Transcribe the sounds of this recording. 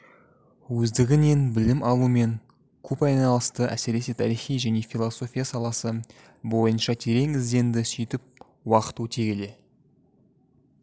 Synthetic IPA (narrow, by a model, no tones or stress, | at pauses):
wɵzd̪ɪɡʲɪne̞nbɪlɪmʔɑlˠume̞ŋ | kʲʰɵpɑjnɑlˠəst̪əʔæ̰se̞ɾe̞sɪt̪ʰɑɾijχijʒæne̞fʲilˠoso̞fʲijasɑlˠɑsə | bo̞jənʃɑt̪ʰe̞ɾe̞ŋɪzd̪e̞nd̪ɪsʏjt̪ɪp̚ | wɑqə̥t̪ut̪ʰe̞ɡʲele̞